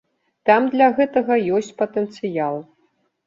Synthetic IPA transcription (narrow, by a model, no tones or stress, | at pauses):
t̪amd̪lʲɐɣɛt̪ɐɣɐjɔsʲt͡sʲpɐt̪ɛnt̪sɨjalˠ